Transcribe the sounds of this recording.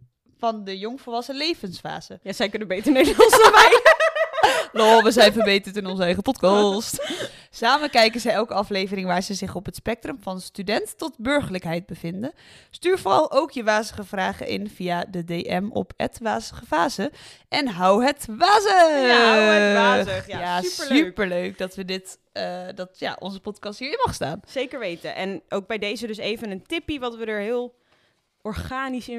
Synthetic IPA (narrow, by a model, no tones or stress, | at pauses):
fɑndəjɔŋfəlˠʋɑsəlejvənsfa̰ːz̥əsɛjkɵnəbejtəneənəmɛj | lɔʋəzɛjnfəɹbejtəɹtɪnɔnzəɛjχəpɔtkɑst | saːmənkɛjkənzəjɛlˠkəɑflejvərɪŋʋaːɹzəzɪχɔpɦətspɛk̚trəmfɑnstydɛntːɔtbɵɹχələkɦɛjt̚bəvɪndə | styːɹvorɑlˠʔowkʰjəʋaːzəχəvraːχə̰ʔɪ̰nv̥ijadədejʔɛmɔ̰pə̰tʋaːzə̥χəvaːzə | ʔɛnɦʌwɦətʋaːzə | jaːspəɹløɥk̚dɑtʋədɪtː | dɑtja̰ːʔɔ̰nzəpɔtkɑstɦiːɹɪmɑχsta̰ːnsejkəɹʋejtəʔɛnʔowɡ̚bɛjdejzədɵsejvənəntɪpiʋɑtʋədəɹɦɪːlˠ | ɔɹχaːnisɪ